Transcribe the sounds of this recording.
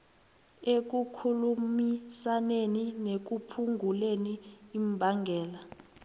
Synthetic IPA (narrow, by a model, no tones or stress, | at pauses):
ek̬ukʰulumisaneninek̬upʰuŋʱuleniːmbʱaŋɡʱɛːla